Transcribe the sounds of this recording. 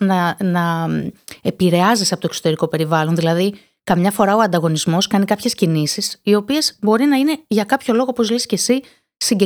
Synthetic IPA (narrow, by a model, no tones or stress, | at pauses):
nɐnɐ | e̞piɾe̞ɐzisɐpo̞t̪okso̞t̪e̞ɾiko̞pe̞ɾivɐlo̞nðilɐði | kɐmɲɐfo̞ɾɐo̞ɐnd̪ɐɣo̞nizmo̞skɐnikɐpçe̞scinisisio̞pie̞z̥bo̞ɾinɐine̞ʝɐkɐpço̞lo̞ɣo̞opozlesce̞si | siɟe